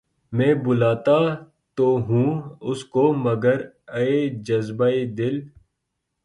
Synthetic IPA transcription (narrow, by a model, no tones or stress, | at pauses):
mẽːbʊlaːt̪a | t̪oːɦũːʊskomɐɡəɾ | ɐed͡ʒɐzbaːed̪ɪl